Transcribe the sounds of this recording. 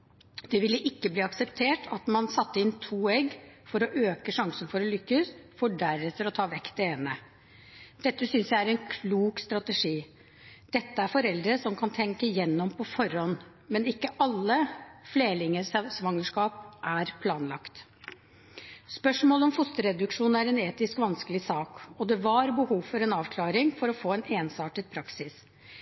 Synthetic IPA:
d̪̥ɛʋɪlːəʔɪkːəbliːɑksɛpt̪ʰeːʈʰɑt̪mɑnsɑt̪ːəɪnt̪ʰuːɛɡfɔɾɔʔøːkəʂɑŋsənfɔɾɔlʏkːəsfɔɖæɾɛt̪ʰːəɾɔt̪ʰɑːʋɛkːt̪ɛeːnə | d̪̥ɛt̪ːəsʏnsjæɪæɾɛnkʰluːkst̪ɾɑt̪əʂiː | d̪̥ɛt̪ːəæɾfɔɾɛld̪ɾəsɔmkʰɑnt̪ʰɛŋkəjɛnːɔmpʰɔfɔɾɔnː | mɛnɪkːəʔɑlːəfleːlɪŋəssʋɑŋːəʂkɑːpʔæɾpʰlɑːnlɑkt̪ | spœʂmoːlɔmfʊst̪əɾɛd̪ʉkʂuːnæɾɛneːt̪ɪskʋɑnskəlɪsɑːkɔd̪ɛʋɑɾbəhuːʋfɔɾɛnɑːʋkʰlɑːɾɪŋfɔɾɔfoːɛneːnsɑːʈət̪̚pʰɾɑksɪs

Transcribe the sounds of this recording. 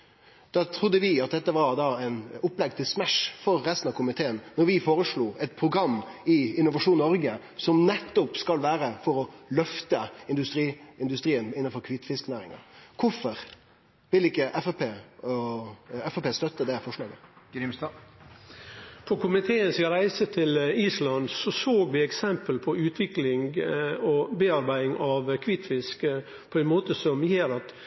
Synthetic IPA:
d̪̥ɑːt̪ʰɾʊd̪ːəʋɪɑt̪̚d̪ɛt̪ːəʋɑɾd̪ɑɛɪnʊpːlɛɡ̚t̪ʰɪlsmæʂfɔɾːɛst̪n̩ɑʋkʰʊmɪt̪ʰeːənːɔɾʋɪfoːɾəʂɭuːɛt̪̚pʰɾʊɡɾɑmːɪɪnːʊʋɑʂuːnnɔɾɡə | sɔmnɛt̪ːʊpskɑlʋæːɾəfɔɾɔlœft̪əɪnd̪ʉst̪ɾiːɪnd̪ʉst̪ɾiːənɪnːənfɔɾkʰʋɪt̪ːfɪsknæːɾɪ̰ŋɑ̰kʰʊfɔɾ | ʋɪlɪkːəʔɛfəpeː | ɛfəpeːst̪œt̪ːəd̪ɛfɔʂɭɑ̰ːɡə̰ɾɪm | pʰɔkʊmɪt̪ʰeːənskɾæɪsət̪ʰɪliːslɑnd̪sɔsoːɡʋɪɛksɛmpəlpʰɔʉːt̪ʰʋɪklɪŋɔbeːɑɾbæɪɪŋɑʋkʰʋɪt̪fɪsk | pʰɔɛnmoːt̪əsɔmjeːɾɑt̪

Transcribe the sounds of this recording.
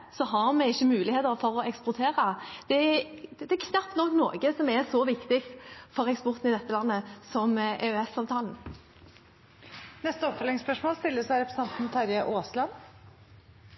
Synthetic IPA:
sɔɦɑʁmɛɪçːəmʉːlɪheːt̪əʁfɔʁɔɛkspʊʁt̪ʰeːʁəd̪̥ɛd̪ɛkʰnɑpt̪nɔkːno̰ːɡəsɔmɛsɔʋɪkt̪ɪkt̪fɔʁɛkspʊʁt̪n̩ɪd̪ɛt̪ːəlɑnːəsɔmʔeøɛsɑːʋt̪ʰɑːln̩ | nɛst̪əɔpfœlːɪŋspœʂmoːlst̪ɪlːəsæɪɾɛpʰɾəs̩ɑnt̪n̩t̪ʰɑɾjəʔoːslɑn

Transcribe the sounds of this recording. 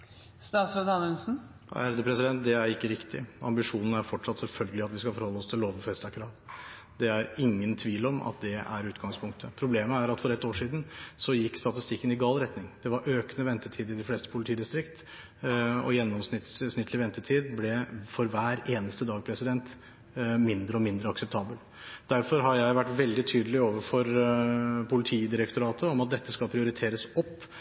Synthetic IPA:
st̪ɑːt̪sod̪ɑnʉnsn̩ | æ̰ɾd̪əpʰɾɛsɪd̪ɛnt̪̚d̪ɛæɾɪkːəɾɪkt̪ɪ̰ɑ̰mbɪʂuːnn̩æɾfɔʈʂɑt̪ːsɛlfœlɡəlɪɑt̪ʋɪskɑfɔɾhɔlːəɔst̪ʰɪlloːʋəfɛst̪ɑkʰɾɑːl | d̪ɛæɾɪŋːənt̪ʰʋiːlɔmʔɑ̰t̪d̪ɛæ̰ɾʉːt̪ɡɑŋspʰʊŋkt̪ʰəpʰɾʊbleːməæɾɑt̪fɔɾɛt̪ːoːʂiːd̪n̩sɔjɪkːst̪ɑt̪ɪst̪ɪkːənɪɡɑːlɾɛt̪nɪŋd̪̥ɛʋɑɾʔøːknəʋɛnt̪ət̪ʰiːd̪ɪd̪ɪfleːst̪ə̥pʰʊlɪt̪iːd̪ɪst̪ɾɪkt̪ | ɔ̰jɛnːɔmsnɪt̪ssnɪt̪ʰːlɪʋɛnt̪ət̪ʰiːd̪blɛfɔɾʋæːɾeːnəst̪əd̪ɑːɡ̚pʰɾɛsɪd̪ɛnt̪ | mɪnd̪ɾəɔmɪnd̪ɾəɑksɛp̚t̪ʰɑːbəl | d̪̥æɾfɔɾɦɑɾjæɪʋæʈːʋɛld̪ɪt̪ʰyːd̪əlɪoːʋəɾfɔɾ | pʰʊlɪt̪ʰiːd̪ɪɾəkt̪ʊɾɑːt̪ʰəɔmɑt̪̚d̪ɛt̪ːəskɑlpʰɾɪʊɾɪt̪ʰeːɾəsɔpː

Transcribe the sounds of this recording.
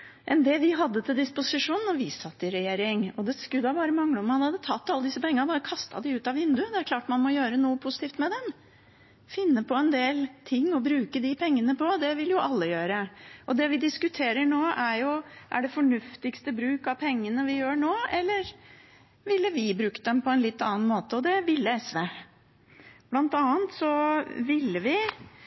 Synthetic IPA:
ʔɛnd̪ɛʋɪɦɑd̪ːət̪ʰɪld̪ɪspʊsɪʂuːnnɔʋɪsɑt̪ːɪɾɛjeːɾɪŋɔd̪ɛskʉd̪ɑbɑːɾəmɑŋːləɔmːɑnhɑd̪ət̪ʰɑt̪ːɑlːəd̪ɪsːəpʰɛŋːənbɑːɾəkʰɑst̪ɑ̰d̪ɪʉːt̪ɑʋɪnd̪ʉd̪ɛæɾkʰlɑːʈmɑnmɔjøːɾənuːəpʰʊsɪ̥t̪iːft̪mɛd̪ɛm | fɪnːəpʰɔɛnd̪eːlt̪ʰɪŋːɔbɾʉːkəd̪ɪpʰɛŋːənəpʰɔd̪ɛʋɪljʊʔɑlːəjøːɾəʔɔd̪ɛʋɪd̪ɪskʉt̪ʰeːɾəɳoːʔæɾjʊʔæ̰ɖɛfɔɳʉft̪ɪkst̪əbɾʉːkɑʋpʰɛŋːənəʋɪjøːɳoːɛlːəɾ | ʋɪlːəʋɪbɾʉːkəd̪ɛmpʰɔɛnlɪt̪ːɑːnmoːt̪əɔd̪ɛʋɪlːəɛsʋe | b̥lɑnt̪ɑːənt̪sɔʋɪlːəʋɪ

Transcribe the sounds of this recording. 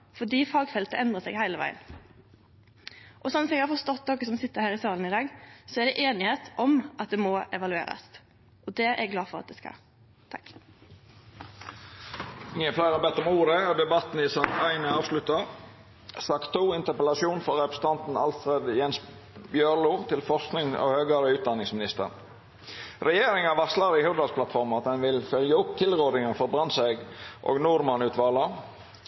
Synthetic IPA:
fɔɖiːfɑːɡfɛlt̪əʔɛnd̪ʁəsɛɡhæɪləʋæ̰ɪə̰n | ʔɔsɔnsɛɡhɑɾfɔst̪ɔt̪ːnɔkːəsɔmsɪt̪ːəɾhæːʁɪsɑːln̩ɪd̪ɑːɡsɔæɖɛʔeːnɪheːt̪ʔɔmʔɑt̪̚d̪ɛmɔɛʋɑlʉḛːɾɑ̰s | ʔɔd̪ɛʔɛɡlɑːfɔʁɑt̪̚d̪ɛskɑ̰ | t̪ʰɑk | ɪŋəflæɪʁɑbɛt̪ːɔmuːɾəɔd̪ɛbɑt̪n̩ɪsɑŋt̪ʰæɪnəɑːʋslʉt̪ə | sɑkt̪ʰːuːɪnt̪əpəlɑsjuːnfɔɾʁɛpɾəsə̥t̪ʰɑnt̪n̩ɑlfɾed̪jɛns | bjøɾluːt̪ʰɪlfɔʁsknɪŋo̰høːɡɑɾəʉːt̪̚d̪ɑnːɪŋsmɪnɪst̪ə̰n | ɾɛjeːɾɪŋɑʋɑslɑɾɪhʊʁd̪ɑlspʰlɑt̪fɔɾmɑt̪̚d̪ɛnʋɪlfœljəʊpt̪ʰɪlʁoːd̪ɪŋənfɔɾbɾɑnsɛɡʔo̰ːɡnʊɾmɑnʉːt̪ʋɑːlə

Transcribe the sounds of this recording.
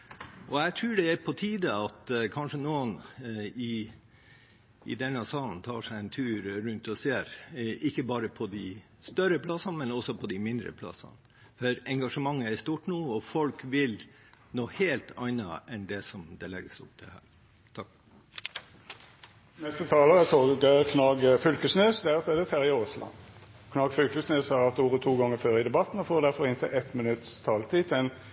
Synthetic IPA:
ʔɔɛt̪ʰɾʉːɖɛæɾpʰɔt̪ʰiːd̪əɑt̪kʰɑnʂənuːənɪ | d̪ɛnːɑsɑːlnt̪ʰɑːʂæɪɛnt̪ʰʉːɾɾʉnt̪ɔseːɾʔɪkːəbɑːɾəpʰɔd̪ɪ | st̪œɾəpʰlɑsɑnmɛnɔsːɔpʰɔd̪ɪmɪnd̪ɾə̰pʰlɑ̰sɑ̰n | fɔɾɛŋɡɑʂəmɑŋːəæst̪uːʈnuːɔfɔlkʋɪl | noːheːlt̪ɑɪnɑ̰ɛnd̪ɛsɔmd̪ɛlɛ̰ɡːəsʊ̰p̚d̪ʰɪ̰hæ̰ːɾ | t̪ʰɑk | nɛst̪ət̪ʰɑːləʁət̪ʰoɡəkʰnɑːɡfʏlkəsnøːsd̪ɛʁt̪ɛd̪ɛt̪ʰæʁɪoːslɑ̰nkʰnɑːɡfʏlkəsneːshɑːʁɑt̪uːʁət̪ʰuːɡɑŋːəføːɾəɪd̪ɛbɑt̪n̩ɔfoːʁd̪æɾfɔʁɪnt̪ʰɛʔɛt̪mɪnʉt̪st̪ʰɑːlt̪ʰiːt̪ʰɛn

